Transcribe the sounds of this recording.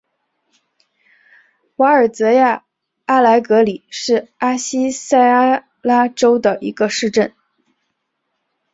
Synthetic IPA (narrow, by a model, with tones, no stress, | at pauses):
wa˧˥ə˞˨˩t͡sɤ˧˥ja˥˩ | a˥la˧˥ɪkɤ˧˥li˨˩ʂɻ̩˥˩a˥ɕi˥sa˥˩ɪ˥ | la˥ʈ͡ʂo˥ʊd̪ə˨˩ʔi˧˥ɡə˧ʂɻ̩˥˧ʈ͡ʂə˥˩n